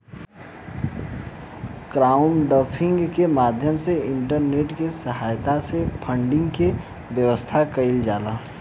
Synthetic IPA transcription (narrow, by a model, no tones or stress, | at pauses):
kɾaːʊmɖəpʰɪ̃ŋɡkemaːd̪ʱjəmseɪ̃ɳʈəɾneːʈkesəɦaːjt̪asepʰə̃ɳɖɪ̃ŋɡke | ʋjəʋəst̪ʰakɐɪld͡ʒaːlaː